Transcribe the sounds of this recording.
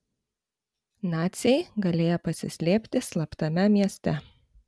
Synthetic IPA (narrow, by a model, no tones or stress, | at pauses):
nɑːt̪sʲɛɪɡɐlʲeːjɛpɐsʲɪ̰sʲlʲeːpʲt̪ʲɪslˠɐpt̪ɐmʲɛmʲiɛsʲt̪ʲɛ